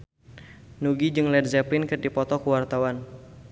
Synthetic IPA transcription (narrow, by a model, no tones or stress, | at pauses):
nuɡid͡ʒɨŋlɛdzɛpinkɨrdipɔt̪ɔkəwart̪awan